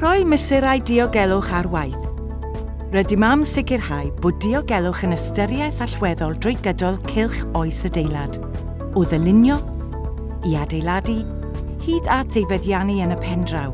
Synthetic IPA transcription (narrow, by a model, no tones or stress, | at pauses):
r̥ɔjməsɪɾajdɪɔɡɛlˠʊχarwajθ | rɛdimamsɪɡɪrhajb̥oːdɪɔɡɛlˠʊχənəstəɾjajθaɬwɛðɔlˠdrɔjɡədɔlˠkʰɪlˠχɔjsədejlˠad̥ | ʊðəlˠɪnjɔ | iadejlˠadi | hiːdatʰejvɛdjaniənəpʰɛndraw